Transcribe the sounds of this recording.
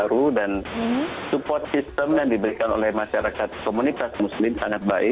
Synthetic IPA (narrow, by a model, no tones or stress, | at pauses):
ɾudansupɔrt̪̚sist̪əmjaŋdibəɾikano̰lɛhmaʃaɾakat̪̚komunit̪asmuslɪmsaŋat̪̚baɪ